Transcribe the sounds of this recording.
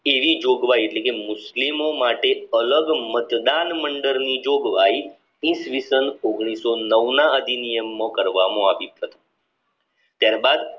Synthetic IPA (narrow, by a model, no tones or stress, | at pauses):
eʋid͡ʒoɡʋaieʈlekemʊslimomaʈeələɡmət̪d̪anməɳɖəɾnid͡ʒoɡʋai | ĩsʋisənoɡɽ̃isonəʋnaəd̪inijəmːõkəɾʋamõaʋit̪ɦət̪o̥ | t̪jaɾbad̪